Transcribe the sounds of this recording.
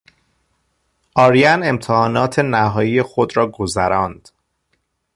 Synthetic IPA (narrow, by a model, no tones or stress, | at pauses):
ʔɒːɾijæne̞mt̪ʰehɒːnɒːt̪ʰe̞næɦɒːjijexod̪ɾɒːɡozæɾɒːnd̪̥